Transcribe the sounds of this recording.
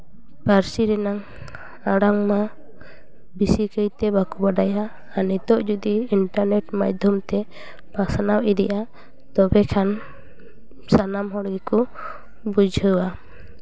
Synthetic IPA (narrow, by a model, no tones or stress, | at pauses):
paɾsiɾɛnaŋ | aɽaŋma | bisikəjt̪ɛbakubaɖajaː | nit̪ɔʔd͡ʒud̪iːɳʈaɾnɛʈmad͡ʒd̪ʱjɔmt̪ɛ | basanawid̪iʔa | t̪ɔbɛkʰan | sanamɦɔɽɡɛku | bud͡ʒʱəwa